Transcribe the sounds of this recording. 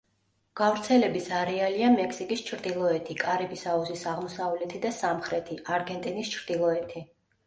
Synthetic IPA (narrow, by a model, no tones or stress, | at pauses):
ɡ̥avɾt̪sʰɛlɛbisaɾɛaliamɛkʰsikʼist͡ʃʰɾd̪ilˠɔɛt̪ʰikʼaɾɛbisauzisaʁmɔsavlɛt̪ʰid̪asamχɾɛt̪ʰiʔaɾɡɛnt̪ʼinist͡ʃʰɾd̪̥ilˠɔɛt̪ʰi